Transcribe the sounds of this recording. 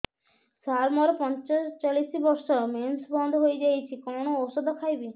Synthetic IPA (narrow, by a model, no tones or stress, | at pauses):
saɾmɔɾpɔnt͡ʃast͡ʃalisibɔɾsɔmensbɔnd̪ʱɔɦojd͡ʒajt͡ʃʰikɔñoɔsɔd̪ʱɔkʰajbi